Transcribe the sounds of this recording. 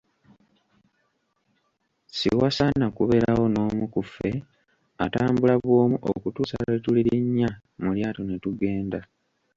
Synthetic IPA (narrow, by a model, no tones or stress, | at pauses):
sḭwasanakuβe̞lawo̞no̞ːmukufːe̞ | a̰taːmbulaβwo̞ːmuʔo̰kutuːsaetuliɾiɲːa | muljaːtonetuɡe̞ːnda